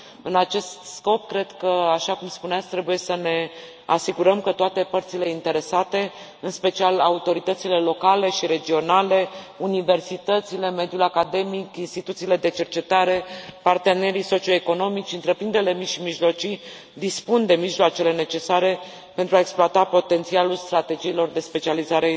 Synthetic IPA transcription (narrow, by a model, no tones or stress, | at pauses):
ɨnat͡ʃe̞st̪sko̞pkɾe̞d̪kəaʃakumspunat̪sʲt̪ɾe̞buje̞səne̞ | asiɡuɾəmkət̪oat̪e̞pərt̪sile̞int̪e̞ɾe̞sat̪e̞ | ɨnspe̞t͡ʃialaut̪o̞ɾit̪ət̪sile̞lo̞kale̞ʃiɾe̞d͡ʒio̞nale̞unive̞rsit̪ət̪sile̞me̞d̪julakad̪e̞mikinst̪it̪ut̪siːle̞d̪e̞t͡ʃe̞rt͡ʃe̞t̪aɾe̞part̪e̞ne̞ɾiso̞t͡ʃio̞eko̞no̞mit͡ʃʲɨnt̪ɾe̞pɾind̪eɾele̞miʃimiʒlo̞t͡ʃi | d̪ispund̪e̞miʒloat͡ʃele̞ne̞t͡ʃe̞saɾe̞ | pe̞nt̪ɾuaeksploat̪apo̞t̪e̞nt̪sialulst̪ɾat̪e̞d͡ʒiːlo̞rd̪e̞spe̞t͡ʃializaɾe